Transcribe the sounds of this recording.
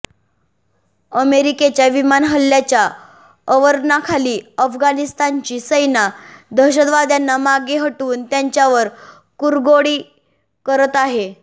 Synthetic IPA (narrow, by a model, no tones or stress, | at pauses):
əmeɾiket͡ɕjaʋimanɦəlːjat͡ɕja | əʋəɾnakʰaliːəfɡanist̪ant͡ɕiːsəjnad̪ʱəɕəd̪ʋad̪janːamaɡeɦəʈuːnt̪jaɲt͡ɕjaʋəɾ | kuɾɡoɽiː | kəɾət̪aɦe